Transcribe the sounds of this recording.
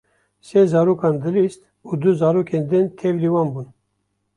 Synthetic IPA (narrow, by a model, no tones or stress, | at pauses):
seːzɑːɾoːkɑːnd̪ɨlist̪ | uːd̪uzɑːɾoːkʰeːnd̪ɨnt̪ʰevliːwɑːnbuːn